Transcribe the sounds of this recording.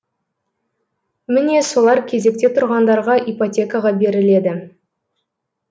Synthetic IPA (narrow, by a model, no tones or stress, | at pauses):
mɪne̞so̞lˠɑɾkʲʰe̞ze̞k̚t̪e̞t̪ʰʊɾʁɑnd̪ɑɾʁɑʔipot̪ʲe̞kaʁɑbe̞ɾɪle̞d̪ɪ